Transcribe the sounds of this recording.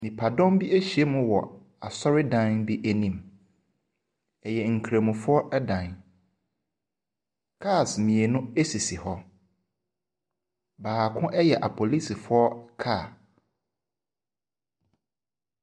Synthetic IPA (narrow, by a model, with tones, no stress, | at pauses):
nĩ˨pʰa˨dɔ̃˦mbi˦e˦ɕi˨e˦mʊ̃˦wɔ̰˨ | a˨sɔ˦ɾɪ˦dã˦nbi˦ʔæ˨nĩ˨m | ɛ˨jɛ˨ŋ̩˨kʰɾe˨mũ˨fʊ˦ɔ˦ʔɛ˦dã˨n | kʰa˦˨smĩ˨e˨nʊ̃˦e˦si˨si˨hɔ˦ | baː˨kʰʊ̃˦ʔɛ˦jɛ˨ʔa˨pʰo˨li˦si˨fʊ˦ɔ˦kʰa˦˨